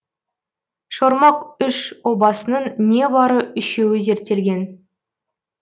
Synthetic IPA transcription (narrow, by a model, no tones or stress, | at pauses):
ʃoɾmɑqʏʃwo̞bɑsənəɴne̞bɑɾəʏʃe̞wɪze̞ɾt̪ːe̞lɡʲe̞n